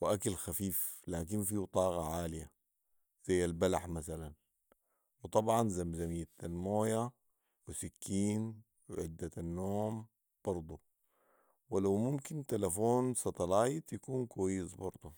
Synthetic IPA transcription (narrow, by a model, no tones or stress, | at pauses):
wɪʔakalxafiːflaːk̬infiːt̪ˤɑːɣɑʕaːlija̰ | z̥ajːalbalaħmasalan | wɨt̪ˤɑbʕɑnzamzamijːt̪almoːja | wisakʰːiːn | wɪ̰ʕɪd̪ːaanːoːm | b̥ɑɾˤd̪ˤu | wɪlawmumkint̪alafoːnsɑt̪ˤɑlaːjt̪jakuːnkwajːɪsbɑɾˤd̪ˤu